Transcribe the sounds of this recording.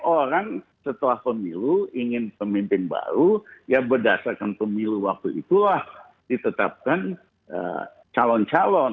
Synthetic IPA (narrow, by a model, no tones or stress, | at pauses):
oɾaŋsət̪əlahpəmiluiŋɪnpəmimpɪnba̰ɾujabərdasarkanpəmiluwak̚t̪uʔḭt̪ulah | dit̪ət̪ap̚kan | ə̰ | t͡ʃalɔnt͡ʃalɔn